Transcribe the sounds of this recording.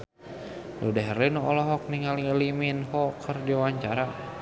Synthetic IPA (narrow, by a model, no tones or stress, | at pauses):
dudɛɦɾinuʔɔlɔɦɔk̚niŋaliliminɦɔkʰərdiwaɲt͡ʃaɾa